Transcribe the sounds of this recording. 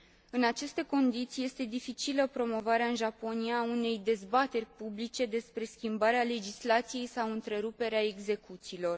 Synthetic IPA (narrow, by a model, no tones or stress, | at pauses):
ɨnat͡ʃe̞st̪e̞ko̞nd̪it̪sijest̪e̞d̪ifit͡ʃiləpɾo̞mo̞vaɾeaɨnʒapo̞nijaune̞jd̪e̞zbat̪e̞rʲpublit͡ʃe̞d̪e̞spɾe̞skʲimbaɾeale̞d͡ʒislat̪sije̞jsawɨnt̪ɾe̞ɾupe̞ɾeae̞ɡze̞kut̪siːlo̞r